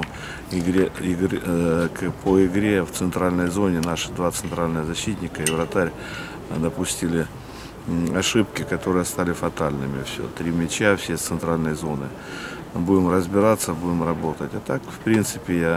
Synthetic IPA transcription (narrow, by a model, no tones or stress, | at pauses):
ɪɡɾʲeɪɡkpʰoɪɡɾʲe̞ft̪sɨnt̪ɾalʲnəjzo̞nʲɪnaʂɨ̥d̪vat̪sɨnt̪ɾalʲnɨɣəzɐɕːit̪ʲnʲɪkəɪvɾɐt̪aɾʲ | d̪ɐpʊsʲtʲilʲɪ | ɐʂɨp̚kʲɪkɐt̪o̞ɾɨjəst̪alʲɪfɐt̪alʲnɨmʲɪfsʲo̰t̪ɾʲimʲɪt͡ɕafsʲet̪sɨnt̪ɾalʲnɨjəzo̞nɨ | budʲɪmrəzbʲɪɾat̪sːəbudʲɪmrɐbo̞t̪ətʲɐt̪akfpɾʲint̪sɨpʲɪja